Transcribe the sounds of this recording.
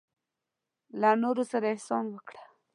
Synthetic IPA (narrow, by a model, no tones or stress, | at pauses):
lanoɾosaɾaɪhsɑnwəkɽḁ